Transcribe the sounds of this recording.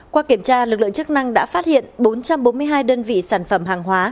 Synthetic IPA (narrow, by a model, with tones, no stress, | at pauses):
kwaː˧ki˧˩əmt͡ɕaː˧lɨ˨˩k̚lɨ̰˧˨ə˨ŋt͡ɕɨ˦˥k̚na˧ŋɗa̰ː˧˥faː˦˥t̚hḭ˧˨ənɓo˨˦nt͡ɕa˧mɓo˨˦nmɨ˧əjɦaː˧jɗəː˧nvḭ˧˨saː˧˩nfə˧˩mɦaː˨˩ŋɦwaː˨˦